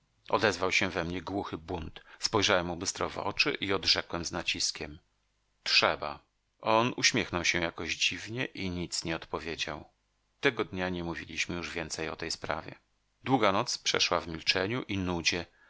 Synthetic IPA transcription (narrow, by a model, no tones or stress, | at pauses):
ɔ̰d̪ɛzvawɕɛvɛmɲɛɡwuxɘbunt̪spɔjʐawɛmubɘst̪ɾɔ̰vɔ̰t͡ʂɘ̰ʔiɔd̪ʐɛkwɛmznat͡ɕiskʲɛm | tʂɛba | ʔɔnuɕmʲjɛxnɔwɕɛ̃jakɔʑd͡ʑivɲɛʔiɲit̪sɲɛɔt̪pɔvʲjed͡ʑa̰w | t̪ɛɡɔd̪ɲaɲɛmuvʲilʲiɕmɘjuʐvʲjɛnt̪sɛjɔt̪ɛjspɾa̰vʲjɛ̰ | d̪wuɡanɔt̪spʂɛ̰ʂwavmʲilt͡ʂɛɲuʔinud͡ʑɛ